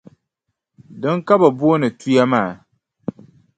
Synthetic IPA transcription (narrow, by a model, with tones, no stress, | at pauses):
dɨ˦ŋka˦ba˨bu˦o˦nɨ˨tu˦ja˦maː˦˨